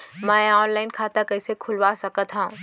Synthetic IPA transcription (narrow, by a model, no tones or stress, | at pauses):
mɛ̃ɔːnlaːɪnkʰaːt̪akɐːsekʰʊlʋasɐkət̪ɦãũ